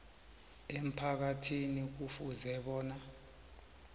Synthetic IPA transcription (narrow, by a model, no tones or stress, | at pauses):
em̩pʰak̬atʰinik̬ufuzɛɓɔːna